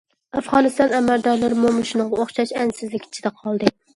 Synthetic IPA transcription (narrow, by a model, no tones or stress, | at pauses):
æfʁɑnɨst̪ɑnæmæld̪ɒɾlˠaɾmomɨʃnɨɴʁɑoχʃɑʃænsɪzlɪkʲʰi̥t͡ʃʰid̪ɛqʰɒlˠd̪ɨ